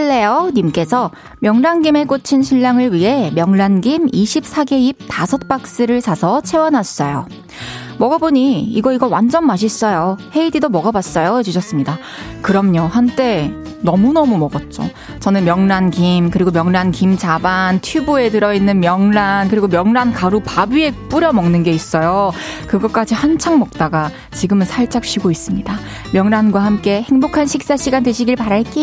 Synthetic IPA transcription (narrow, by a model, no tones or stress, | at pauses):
ɭːe̞jonimk͈e̞sʰʌ | mjʌŋnanɡime̞k͈ot͡ɕʰinɕʰiʎːaŋɯɭɥiɦe̞mjʌŋnanɡimiɕʰip̚s͈ʰaɡe̞ip̚tasʰʌt̚p͈ak̚s͈ɯɾɯɭt͡ɕasʰʌt͡ɕʰe̞wʌnɦas͈ʌjo̰ | mʌɡaboɲiiɡʌiɡʌwand͡ʑʌnmaɕ̬ʰis͈ʌjohe̞ididomʌɡabas͈ʌjoed͡ʑuɕʰʌs͈ɯmɲida | kɯɾʌmɲohant͈e̞ | nʌmunʌmumʌɡʌt̚t͡ɕ͈o̰ | t͡ɕʌnɯnmjʌŋnankimkɯɾiɡomjʌŋnankimt͡ɕabantʰubue̞tɯɾʌinːɯnmjʌŋnankɯɾiɡomjʌŋnankaɾupabie̞p͈uɾjʌmʌŋnɯnɡe̞is͈ʌjokɯɡʌk͈ad͡ʑihant͡ɕʰaŋmʌk̚t͈aɡa | t͡ɕiɡɯmɯnsʰaɭt͡ɕ͈ak̚ɕ͈ʰiɡois͈ɯmɲida | mjʌŋɾanɡwahamk͈e̞he̞ŋbokʰanɕʰik̚s͈aɕʰiɡandweɕʰiɡiɭpaɾaɭk͈i